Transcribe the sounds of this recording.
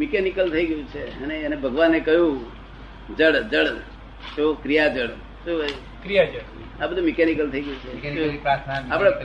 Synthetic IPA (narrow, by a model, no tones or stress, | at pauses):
mikɛnikəlt̪ʰəiɡəjũt͡ʃʰeəneənebʱəɡʋanːekəɦjũ | d͡ʒəɽd͡ʒəɽ | t͡ʃokɾijad͡ʒəɽ | t͡ʃo | kɾijad͡ʒəɽ | abəd̪ʱũmikɛnikəlt̪ʰəiɡəjũt͡ʃʰeopɾat̪ʰnaapɽa